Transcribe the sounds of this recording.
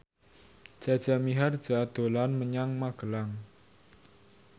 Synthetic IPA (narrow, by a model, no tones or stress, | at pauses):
ʒ̥a̤d̥ʒ̥a̤miɦard̥d͡ʒ̥ad̪̥o̤lanməɲaŋmaɡ̥əlaŋ